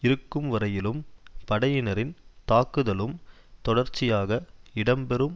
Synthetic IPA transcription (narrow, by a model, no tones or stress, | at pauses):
ɪɾɯkːɯmʋɐɾɐjɪlɯmpɐɽɐjɪnɐɾɪnt̪aːkːɯðɐlɯm | t̪ɔɽɐɾt͡ʃːɪjaːɣɐɪɽɐmbɛɾɯm